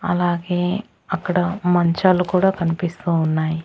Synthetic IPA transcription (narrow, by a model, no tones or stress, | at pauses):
ɐ̰laːɡeː | ɐkːɐɽɐmɐɲt͡ʃaːlukuːɽaːkɐnipist̪uːunːaːji